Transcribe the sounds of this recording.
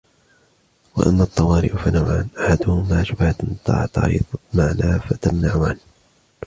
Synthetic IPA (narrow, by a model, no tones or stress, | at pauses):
wa̰ʔa̰mːaːt̪ˤːɑwɑːɾɪ̰ʔʊfanawʕanʔaħad̪ʊhʊmaːʃʊbhat̪nt̪ˤːɑ̰ːʕt̪ɑ̰ðmaʕnaːfat̪amnaʕʊʕa̰n